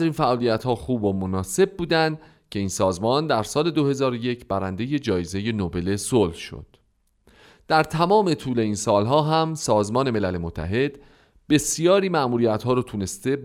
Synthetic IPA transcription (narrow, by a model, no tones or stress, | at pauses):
ɾiːnfæʔɒːlijæt̪hɒːxuːbomonɒːse̞b̚buːd̪ænd̪ | cʰe̞iːnsɒːzmɒːnd̪æɾsɒːle̞d̪ohe̞zɒːɾoje̞cʰbæɾænd̪e̞je̞d͡ʒɒːjeze̞je̞nobe̞le̞solhʃo̰d̪̥ | d̪̥æɾt̪ʰæmɒːme̞t̪ʰuːle̞iːnsɒːlɦɒːɦæmsɒːzmɒːne̞me̞lælemot̪ʰːæ̰ɦe̞d̪̥ | be̞sijɒːɾiːmæʔmuːɾijæt̪hɒːɾɔːt̪ʰune̞st̪e̞